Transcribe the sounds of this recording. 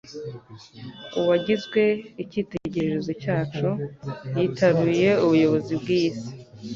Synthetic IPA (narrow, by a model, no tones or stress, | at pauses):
uwaɟizɡwe̞iciːte̞ɟe̞ɾe̞ɾezo̞caːt͡ʃojiːtʰaβije̞uβujo̞βo̞zibɡiːsi̥